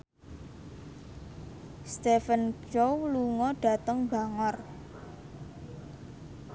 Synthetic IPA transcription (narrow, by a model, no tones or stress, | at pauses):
st̪efənt͡ʃowluŋɔɖ̥ä̤t̪əŋbaŋɔr